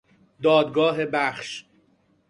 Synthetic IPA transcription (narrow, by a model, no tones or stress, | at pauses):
d̪ɒːd̪ɡɒːɦebæχʃ